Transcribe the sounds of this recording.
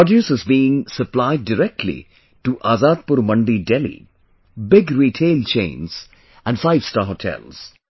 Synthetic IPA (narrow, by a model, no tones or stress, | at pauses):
pɔdjusəzbiːɪ̃ŋsəplaɪɖːɪɾɛk̚ʈʰlḭ | ʈuʔaːzaːd̪̚pʊɾmʌ̃ɳɖiɖɛlḭ | bɪɡɾiːʈʰeːlt͡ʃḛ̃ːnz̥ | æ̃nɖfaɪʋstaːɦoʈʰɛ̰lz̥